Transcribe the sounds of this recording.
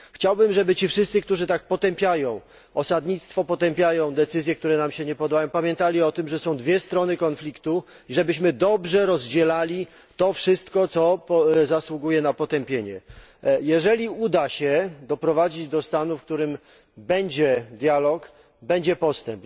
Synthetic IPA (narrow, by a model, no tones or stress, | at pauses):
xt͡ɕawbɘmʐɛbɘt͡ɕifʂɘst̪sɘkt̪uʐɘt̪ak̚pɔt̪ɛmpʲjajɔ̃w̃ | ɔsad̪ɲit̪st̪fɔpɔt̪ɛmpʲjajɔ̃w̃d̪ɛt̪sɘzʲjɛk̚t̪uɾɛnamɕɛɲɛpɔd̪ajɔ̃w̃pamʲjɛ̃nt̪alʲiɔt̪ɘmʐɛsɔ̃w̃d̪vʲjɛst̪ɾɔnɘkɔnflʲikt̪u | iʐɛbɘɕmɘd̪ɔbʐɛɾɔzd͡ʑɛlalʲi | t̪ɔfʂɘst̪kɔt̪sɔpɔzaswuɡujɛnapɔt̪ɛmpʲjeɲɛ | jɛʐɛlʲiud̪aɕɛd̪ɔpɾɔvad͡ʑid͡ʑd̪ɔst̪anufkt̪uɾɘm | bɛɲd͡ʑɛd̪ʲjalɔk | bɛɲd͡ʑɛpɔst̪ɛmp